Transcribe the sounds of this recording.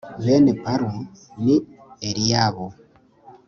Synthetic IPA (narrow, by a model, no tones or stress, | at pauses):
βenepaɾwenieɾijaːβo